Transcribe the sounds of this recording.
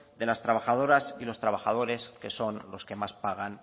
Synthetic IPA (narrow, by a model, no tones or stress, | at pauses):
d̪e̞last̪ɾaβaxað̞o̞ɾasilo̞st̪ɾaβaxað̞o̞ɾe̞ske̞so̞nlo̞ske̞maspaɣ̞an